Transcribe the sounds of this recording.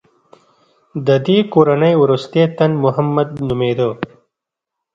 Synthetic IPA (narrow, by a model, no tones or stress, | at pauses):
d̪əd̪ikoɾanəjwɾust̪et̪ɐnmʊɦəmːɐd̪̚nʊmeːd̪o